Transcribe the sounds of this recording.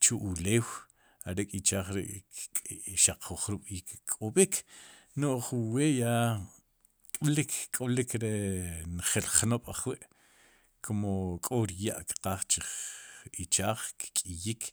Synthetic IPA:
t͡ʃuʔuleːw | aɾekʼit͡ʃaːχɾḛʔ | ʃaq͡χːuχɾuɓ̥iːkkʼːoɓikʰ | noʔχuweːja | kʼlikkʼolikɾenχelχnoɓ̥aχwiʔ | kʰomokʼoɾja̰ʔkqaːχt͡ʃiχit͡ʃaːχkkʼijik

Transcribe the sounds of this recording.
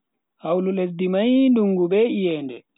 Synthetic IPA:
hawlulesdimajnduŋɡubɛijɛːndɛ

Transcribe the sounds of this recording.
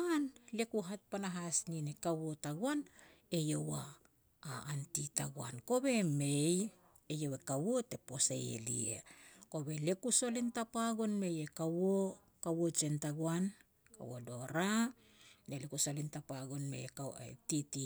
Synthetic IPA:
anle̞kuɦat̚panaɦasninekawo̞taɡwan | e̞jowaː | ntitaɡwa̰nko̞be̞mej | ejowekawote̞po̞sḛjḛlḭḛko̞be̞le̞kuso̞lintapaɡo̞nme̞jekawo | kawot͡ʃe̞ntaɡwan | ka̰wo̰do̞ɾa | delekusolintapaɡo̞nmḛjekaḛtiti

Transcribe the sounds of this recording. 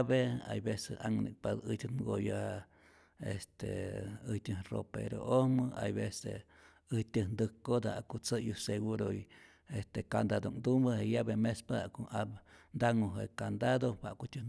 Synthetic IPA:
bea̰jbesea̰ŋnʔḭk̚pad̪ɨtʲɨnɡojaa | est̪ḛɨtʲɨhro̰pḛɾo̰ʔohmɨʔa̰jβesḛ | ɨt̪ʲəhnd̪ɨhkod̪a̰akut͡sɨjuseɡuɾoi | est̪ekand̪ad̪oŋd̪umbəhejabemespaaʔkoabnd̪aŋoɦekand̪ad̪owaʔkutʲɨn

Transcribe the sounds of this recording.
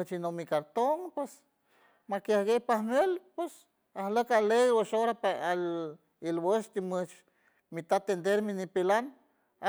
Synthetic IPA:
t͡ʃinomːikaɾt̪oŋpwes | makjahɡejpahnelpwes | ahləkalejwəʃoɾapaal | ilwəʃt̪imət͡ʃ | mit̪at̪ːend̪eɾminipilan

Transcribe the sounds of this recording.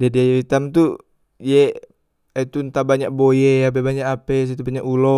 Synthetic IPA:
dadiajɾit̪amt̪u | je | et̪unt̪abaɲaʔ̚bojeap̬ebaɲakapɛs̬it̪ubaɲaʔulɔ

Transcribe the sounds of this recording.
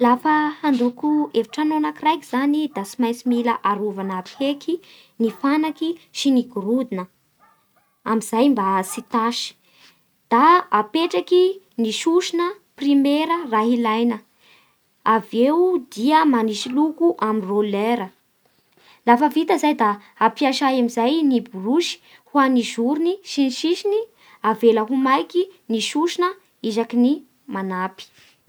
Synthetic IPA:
lafəhand̪ukuevaʈ͡ʂanonakirajkiz̥anid̪asimajsimiləʔaɾuvanapʰeki | nifanakiʃiniɡuɾud̪inə | amizajmbasit̪aʃi̥ | d̪̥aːpeʈ͡ʂaki | niʃuʃinə | primeɾəraɦilajnə | avewd̪iəmaniʃilukuʔaminroleɾə | lafəvit̪əzajd̪aː | piaʃaamizajniburuʃi̥ | huanizuɾuniʃiniʃiʃini | avelaɦumajkiniʃuʃinə | izakini | manapi̥

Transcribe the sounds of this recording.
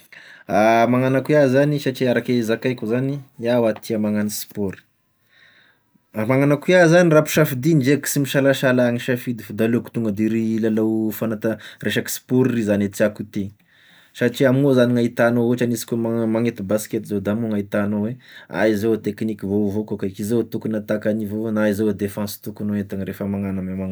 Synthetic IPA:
amaŋanakiazanisaʈ͡ʂiaɾakezakajkʲuzaniawat̪ʰiamaŋanisi̥poɾi̥ | amaŋanakiazanirapu̥ʃafid̪ind͡ʒeki̥simiʃalaʃalaŋiʃafid̪ifud̪aloku̥t̪uŋɡəd̪eɾilalowfanat̪ərʔeʃaki̥si̥poɾrizanet͡s̪iakut̪eɲi̥ | saʈ͡ʂiamnozaniŋait̪anooʈ͡ʂanisi̥kʲomamaŋet̪ibasket̪izod̪amuŋait̪anowea̰izot̪eknikivovokokaikizot̪ukunat̪akanivoonaizowed̪efãsi̥t̪ukunoet̪aŋɾefəmaŋanəmamaŋ

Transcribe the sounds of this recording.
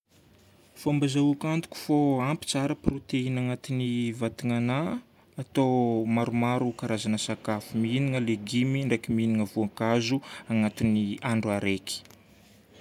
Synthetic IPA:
fombazaukʲant̪u̥kʲu̥foampi̥t͡saɾəpɾot̪einaŋat̪inivat̪iŋanaː | t̪omaɾumaɾukaɾazanəsakafuminiŋəleɡimiɳɖ͡ʐekiminiŋəvuaŋkazuaŋat̪iniaɳɖ͡ʐuaɾeki̥

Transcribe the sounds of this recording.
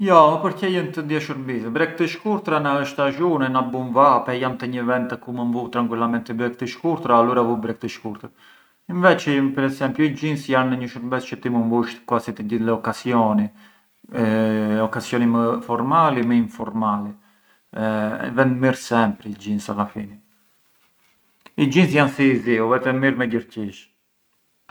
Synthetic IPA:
jɔpəɾcɛjənt̪əd̪jɛʃəɾbisɛbɾɛk̚t̪əʃkuɾt̪ɾanaəʃt̪aʒunɛnabunvapɛjamt̪ɛɲəvɛnt̪ɛkumənvut̪ɾaŋkwilamɛnt̪ibɾɛk̚t̪əʃkuɾt̪ɾaːluɾavubɾɛk̚t̪əʃkuɾt̪əɾ | invɛt͡ʃipɛɾɛsɛmpljuid͡ʒinsjanːəɲəʃəɾbɛt͡st͡ʃət̪imənvuʃt̪kuasit̪ɛɟilɛɔkasiɔni | ɔkasjɔniməfɔɾmalimɛiɱfɔɾmali | ɛ̰vɛnd̪miɾsɛmpɾiid͡ʒinsalafini | id͡ʒinsjansiziuvɛt̪ɛmiɾmɛɟəɾciʃ

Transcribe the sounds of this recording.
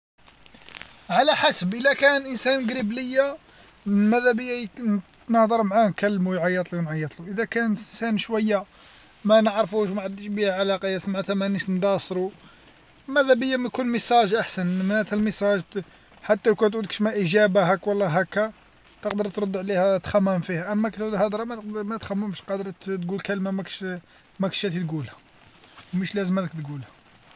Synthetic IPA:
ʕalæħasəbʔəlækænʔənsænɡɾibləjːa | mæd̪æbəjːa | nəhd̪ˤəɾˤmʕahnkælːmujʕɑjːət̪ˤluwnʕɑjːət̪ˤluʔəd̪ækænənsænʃwæjːa | mænəʕɾfuʃwmaʕad̪ːəʃbihæʕalɑqɑjːæsmʕat̪æmæniʃnd̪ɑsˤɾu | mæd̪æbəjːæmækunməsˤɑʒʔaħsənmænæt̪ælməsˤɑʒ | ħat̪ːælkæt̪ʕud̪kə̥ʃmaʔiʒæbaɦækwɑlˤːɑɦækːæ | t̪əqd̪əɾˤt̪ɾˤʊd̪ːʕlihæt̪xæmːæmfihæʔəmːækæt̪ʕud̪hɑd̪ɾˤɑmæt̪qmæt̪xæmːəmʃqɑd̪əɾˤt̪ɡulkælmamækʃ | mækʃæt̪it̪ɡulhæ̥ | məʃlæzəmæd̪əkt̪ɡulhæ̥

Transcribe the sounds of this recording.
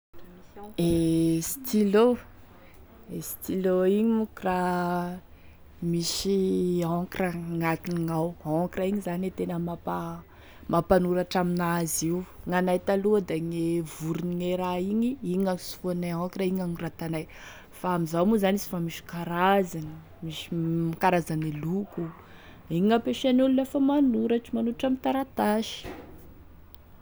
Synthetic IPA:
est̪ilo | esi̥t̪iloiɲiukra | miʃiãkraŋat̪iniŋawãkraiɲizanet̪enəmapa | mapanuɾaʈ͡ʂaminaziwŋanajt̪aluəd̪aŋevuɾuniŋeɾaiɲiiɲanisu̥fuanaãkiraiɲanurat̪anaj | faamizawmuzanizi̥famiʃi̥kaɾazani | miʃimakaɾazaneluku | iŋapeʃanululefəmanuɾaʈ͡ʂimanuaʈ͡ʂamint̪aɾat̪aʃi̥

